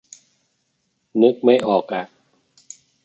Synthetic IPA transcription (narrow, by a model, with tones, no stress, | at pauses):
nɯ˦˥k̚ma˥˩jʔɔː˨˩k̚ʔa˨˩